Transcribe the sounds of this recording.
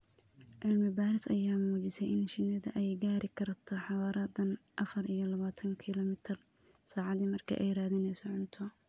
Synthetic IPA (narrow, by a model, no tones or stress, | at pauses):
ʕɪlmɪbaːɾɪsɐjaːmuːd͡ʒɪsɛjʔɪnʃɪnɐðɐ̰ʔɛjɡaːɾɪkʰɐrt̪ʰɔħɑwaːɾɐd̪ɐnʔɐfɐrijɔlɐβaːt̪ʰɐŋkʰiːlɔːmɪt̪ʰɪrsaːʕɑd̪nɪmɐrkʰɐ̰ʔɛjɾaːðɪnɛjsɔʕʊnt̪ʰɔ